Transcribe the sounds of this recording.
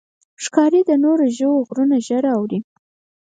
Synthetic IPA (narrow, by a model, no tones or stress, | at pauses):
ʂkɑɾid̪ənoɾoʒəwoɣɾunaʒəɾawɾi